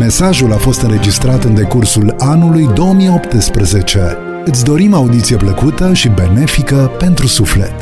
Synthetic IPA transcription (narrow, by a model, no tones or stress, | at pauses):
me̞saʒulafo̞st̪ɨnɾe̞d͡ʒist̪ɾat̪ɨnd̪e̞kursulanulujd̪o̞omijo̞pt̪əspɾeze̞t͡ʃe̞ | ɨt̪s̬ʲd̪o̞ɾimaud̪it̪sie̞pləkut̪əʃibe̞ne̞fikəpe̞nt̪ɾusuflḛt̪